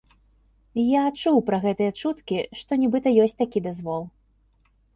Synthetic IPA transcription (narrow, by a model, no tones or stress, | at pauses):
jaːt͡ʂuwpɾɐɣɛt̪ɨjɐt͡ʂut̪kʲiʂt̪ɔnʲɛbɨt̪ɐjɔsʲt̚ʲt̪akʲid̪azvɔlˠ